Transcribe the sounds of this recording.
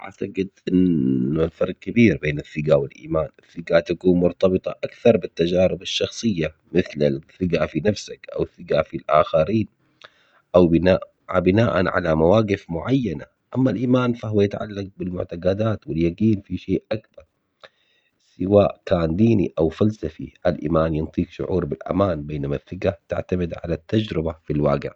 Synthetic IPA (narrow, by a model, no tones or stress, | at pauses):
ʔa̰ʕt̪aɡɪd̪ʔɪnːʊlfɑɾˤq̚kabiːɾbeːnɪθːɪɡawɪlʔḭːmaːnɪθːɪɡat̪akuːnmʊɾt̪ɑbɨt̪ˤɑʔakθɑɾˤbɪt̪ːad͡ʒaːɾɪbɪʃːɑxsˤɨjːa | mɪθlɪθɪɡafinafsakʔa̰wθːɪɡafilʔa̰ːxaɾiːn | ʔawbɪnaːʔ | abɪnaːʔa̰nʕa̰lamawaːqɪfmʊʕajːana̰ | ʔamːalʔiːmaːnfaɦʊwajɪt̪ʕa̰lːaq̚bɪlmʊʕt̪aɡaːd̪aːt̪wɪljaɡiːnfiʃeːʔʔakbɑɾˤ | sɪwaːʔkaːnd̪iːniʔawfalsafḭʔalʔḭːmaːnjɪnt̪ˤiːkʃʊ̰ʕuːɾbɪlʔa̰maːnbeːnamaθːɪɡat̪a̰ʕt̪amɪd̪ʕa̰lat̪ːad͡ʒɾɪbafilwaːɡɪ̰ʕ